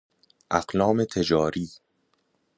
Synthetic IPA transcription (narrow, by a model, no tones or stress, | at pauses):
ʔæɢlɒːmet̪ʰe̞d͡ʒɒːɾiː